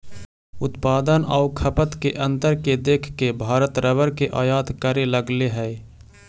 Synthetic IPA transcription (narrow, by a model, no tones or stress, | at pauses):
ʊt̪paːd̪ənɔːɾkʰəpət̪keʔə̃nt̪əɾked̪eːkʰkebʱaːɾət̪ɾəʋəɾkeʔaːjaːt̪kəɾeləɡleɦɛː